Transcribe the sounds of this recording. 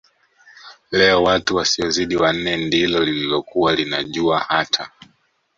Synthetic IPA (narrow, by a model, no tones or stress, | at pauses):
lɛɔwatuwasiɔziɗiwan̩nːɛndilɔlililɔkuwalinaʄuahatʰa